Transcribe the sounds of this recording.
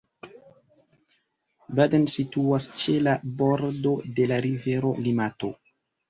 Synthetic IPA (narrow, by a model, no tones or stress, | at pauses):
badensituast͡ʃe̞labo̞ɾdo̞de̞laɾive̞ɾo̞̰limato̞̰